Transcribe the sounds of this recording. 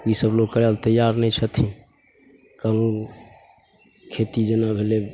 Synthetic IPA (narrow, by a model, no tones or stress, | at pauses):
isəbloɡkəɾalt̪əjaɾnəit͡ʃʰət̪ʰĩ | kanun | kʰet̪id͡ʒənabʱele